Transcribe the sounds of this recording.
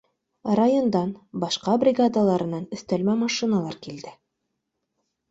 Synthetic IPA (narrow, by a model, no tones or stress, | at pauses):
rajond̪ɑnbɑʃqɑbrʲɪɡad̪alˠɑɾɤ̆nːɑnɵ̆θt̪ælmæmɑʃinalˠɑɾkild̪ɘ